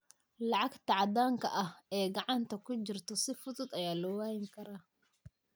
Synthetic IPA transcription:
lɑʕɑɡt̪ʰɑʕɑd̪aːŋkʰɐʔɐhɛːɡɑʕɑnt̪ʰɐkʰʊt͡ʃɪrt̪ʰɔsɪfʊðʊd̪ɐjaːlɔwaːɣɪŋkʰɐɾaː

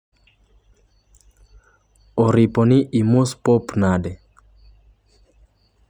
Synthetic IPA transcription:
ɔɾiponiʔimospɔpnade

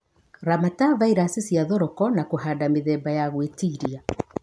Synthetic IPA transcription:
ɾamatavaiɾasesjaðɔɾɔkɔnakoɦadameðɛːbajaɣwetiɾia

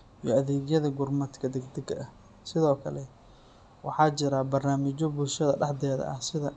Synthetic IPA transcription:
ijɔɐðɛːɣjɐðɐɡʊrmɐt̪kʰɐd̪ɛɡd̪ɐɡɐʔɐh | sɪðɔːkʰɐlɛ | wɑħɑːt͡ʃɪɾaːbɐrnaːmɪt͡ʃɔbʊlʃɐðɐɖɑħd̪ɛːðɐ̰ʔɐ̰hsɪðɐ

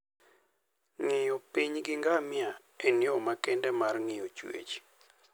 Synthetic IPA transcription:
ŋɪjɔpiɲɡɪŋɡamɪa | enjomakɛndɛmarŋɪjot͡ʃwḛt͡ʃ

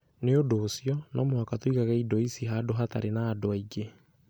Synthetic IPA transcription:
neodoːsiɔnʔamwakatwikaɣɛidɔisiɦadoɦata̰ɾenaːdoaiɡe

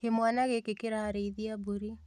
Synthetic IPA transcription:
hemwanaɣekekeɾaːɾeiðiabuɾi

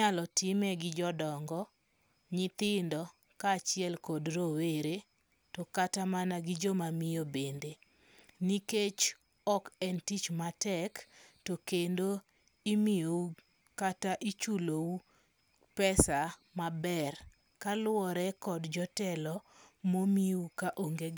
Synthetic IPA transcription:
ɲalɔtɪmɛɡɪd͡ʒɔdɔŋɡɔ | ɲɪt̪ɪndɔ | kaːt͡ʃɪjɛlkɔdɾoweɾe | tɔkatamanaɡɪd͡ʒɔmamɪjobende | niket͡ʃ | ɔkɛntit͡ʃmatɛktɔkendo | imɪjou | kataʔit͡ʃulou | pɛsa | mabɛr | kalʊɔɾɛkɔdd͡ʒɔtɛlɔmomiukaʔoŋɡe

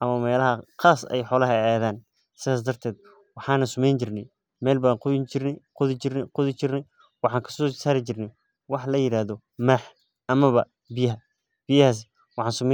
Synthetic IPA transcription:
ʔɐmɐmɛːlɐɦɐqaːsɛ̰jħɔːlɐɦɐaːðaːn | sɪðaːsd̪ɐrt̪ʰɛːd̪̚ | wɑħɑːnɐsʊmɛjnt͡ʃɪrnɛ̰j | mɛːlbaːqʊt͡ʃɪrqʊðɪqʊðɪt͡ʃɪrnɛj | wɑħɑːŋkʰɐ̥sɔːsaːɾɪt͡ʃɪrnɛ | wɑħlɐjɪɾaːðɔ | maːħ | ʔɐmɐβɐ | bɪjɐɦɐ | b̥ɪjɐhaːs̬ | wɑħɑːnsʊmɛ

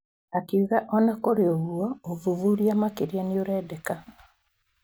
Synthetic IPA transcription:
akiuɣaʔɔnakoɾeoβuɔovuvuɾiamakeɾjanioɾɛdeka

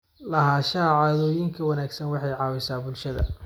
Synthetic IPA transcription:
lɐɦaːʃaːʕɑːðɔːjɪŋkʰɐwɑnaːɡsɐnwɑħɑjʕɑːwɛsaːbʊlʃɐðɐ̰

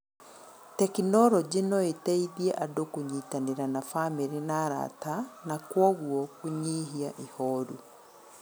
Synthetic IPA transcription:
tɛkinɔɾɔd͡ʑenɔetɛiðiɛʔadokoɲiːtaneɾanafameɾinaɾa̰tanakwɔɣwɔkuɲiɦiaʔihɔːɾu

